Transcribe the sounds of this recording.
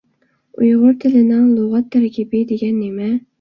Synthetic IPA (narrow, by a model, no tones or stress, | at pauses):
ujʁʊɾt̪ʰɪlɪnɪŋlˠoʁɑt̪ʰːæɾkʲɪbɪd̪eɡʲɛnːɪmɛ